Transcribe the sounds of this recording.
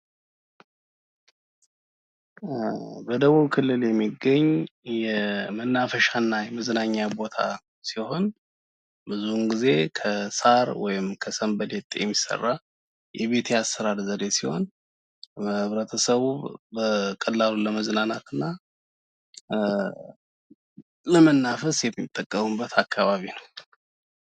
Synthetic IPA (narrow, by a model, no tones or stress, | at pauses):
bəd̪əβuβkʰɨlːɨljɛmːiɡːəɲːjɛmənːafəʃanːajɛməznaɲːabo̞t̪ʰa̰ | siho̞n | bɨzunɡize̞kʰəsaɾwɔjɪmkʰəsəmbəlet̪ʼjɛ̰mːisə̰rːa | jʔɛβe̞t̪ʰeasːəɾadzəd̪esiho̞̰n | əɨβɾət̪ʰəsəβubəkʼəlːaluləməznanat̪ɨnːa | ləmənːafəsjɛmit̪ʼːəkʼːəmubːət̪ʰakʰːaβaβinəw